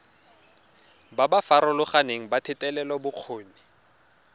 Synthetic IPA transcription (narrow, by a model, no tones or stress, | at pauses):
babafaɾɔlʊχaneŋ̩batʰɪtʼɛlɛlɔbʊq͡χʰoːni